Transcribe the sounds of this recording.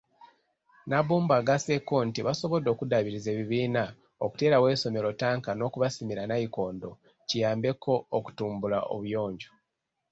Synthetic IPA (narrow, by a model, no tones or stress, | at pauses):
naβuːmbaɡasekontiβaso̞βo̞do̞ːkudaβiɾize̞ːβiβiːna | oku̥te̞ːɾawe̞ːso̞me̞ɾo̞taːŋkano̞kuβasimiɾanajiko̞ːndo̞ | cijaːmbe̞ko̞ːku̥tuːmbulaʔo̰βujo̞ːɲɟo